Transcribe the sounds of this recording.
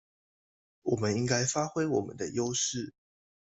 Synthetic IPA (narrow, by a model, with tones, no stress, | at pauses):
wɔ˨˩mə˦ni˦ŋka˥ɪfa˥xwe˥ɪwɔ˨˩mə̰˦nd̪ə˦jo˦ʊʂɻ̩˥˨˩